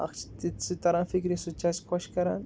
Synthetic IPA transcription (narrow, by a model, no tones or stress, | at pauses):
a̰xt͡ʃi̥t̪it͡sɨt̪aɾanfikɾisut͡ʃaskʰʷaʃkaɾa̰n